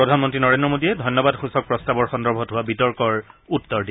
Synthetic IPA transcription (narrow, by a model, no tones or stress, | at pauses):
pɹɔdʱanmɔntɹinɔɹẽndɹɔmodiɛdʱɔjnːɔbadxusɔk̚pɹɔstabɔɹxɔndɔɹbʱɔtɦʊwabitɔɹkɔɹutːɔɹdi